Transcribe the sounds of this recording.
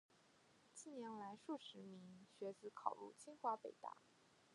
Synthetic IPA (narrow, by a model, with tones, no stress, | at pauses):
t͡ɕi˥˩njɛ˧˥nla˧˥ɪʂu˥˩ʂɻ̩˧˥mi˧˥ŋɕɥɛ˧˥t͡sɹ̩˧˥kʰɑ˨˩ʊlṵ˥˩t͡ɕʰi˥ŋxwa˧˥pe˨˩ɪt̪a̰˥˩